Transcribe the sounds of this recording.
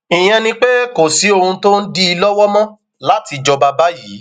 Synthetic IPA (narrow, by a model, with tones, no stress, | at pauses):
ĩ˨j̃ɛ̃˧nĩ˧k͡pe˦ko˨si˨˦o˧hũ˧to˦n̩˦di˦i˧lɔ˦wɔ˦mɔ̃˦ | la˨˦ti˧d͡ʒɔ˧ba˧ba˦jiː˨˦